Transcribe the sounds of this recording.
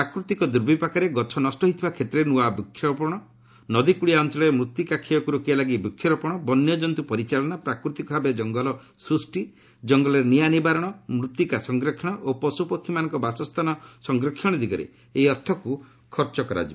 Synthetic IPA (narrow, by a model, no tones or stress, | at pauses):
pɾakɾut̪ikɔd̪uɾbʱipakaɾeɡɔt͡ʃʰɔnɔsʈɔɦit̪ʰibakʰet̪ɾenuabikʰːjɔɾpɔɽ̃ɔ | nɔd̪ikuɽiaɔnt͡ʃɔlɔemɾut̪ːikakʰijɔkuɾukialaɡibukʰːjɔɾɔpɔɽ̃ɔbɔnjɔd͡ʒɔnt̪upɔɾit͡ʃalɔnapɾakɾut̪ikɔbʱabed͡ʒɔŋɡɔlɔ | sɾusʈi | d͡ʒɔŋɡɔlɔɾnijanibaɾɔɽ̃ɔmɾut̪jikasɔŋɡɾɔkʰːjɔɽ̃ɔʔopɔsupɔkʰːimanɔ̃ŋkɔbasɔst̪ʰanɔsɔŋɡɾɔkʰjɔɽ̃id̪iɡɔɾḛ | ejɔɾt̪ʰɔku | kʰɔɾt͡ʃɔkɔɾa̰d͡ʒib